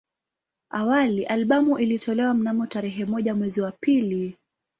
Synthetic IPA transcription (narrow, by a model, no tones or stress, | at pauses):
awaliʔalɓamuʔilitʰɔlɛwam̩namɔtaɾɛɦɛmɔʄamwɛziwapili